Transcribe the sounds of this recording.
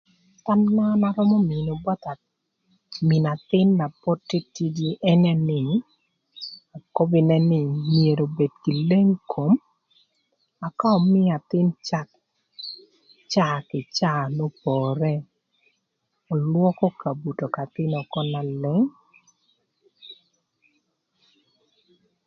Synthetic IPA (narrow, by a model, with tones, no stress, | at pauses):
ta˦mna˦na˨ɾɔ˦mɔ˦mɪ˨no˨bɔ˦t̪a˨ | mɪ˨na˨t̪ɪ˦nːa˨pɔ˦tːi˦ti˦di˦ɛ˦nɛ˦nɪ˦˨ | a˨ko˦bɪ˨nɛ˦nɪ˦˨mje˨ɾo˨be˨dki˨le˦ŋkʰo˨m | a˨ka˦ɔ˨mɪ˦a˨t̪ɪ˦nt͡ʃa˦k | t͡ʃa˦˨kɪ˨t͡ʃa˦˨no˦pɔ˨ɾɛ˦ | ɔ˨lwɔ˦kɔ˦ka˨bu˨to˨ka˨t̪ɪ˦nɔ˨kɔ˦na˨lɛ˦ŋ